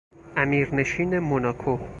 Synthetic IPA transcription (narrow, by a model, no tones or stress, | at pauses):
ʔæmiːɾne̞ʃiːne̞monɒːkʰo